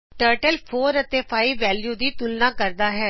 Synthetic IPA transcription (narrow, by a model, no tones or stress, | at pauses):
ʈəːɾʈəlpʰoːɾət̪eːpʰaːiːʋʋːɛːljuːd̪iːt̪ʊlnãːkəɾd̪aːɦɛː